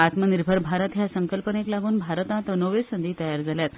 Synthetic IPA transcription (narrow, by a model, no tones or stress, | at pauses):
at̪məniɾbʱəɾbʱaɾət̪jasəŋkəlpəneklaɡuːnbʱaɾət̪ãt̪ənoʋesənd̪iːt̪əjaɾd͡zaljat̪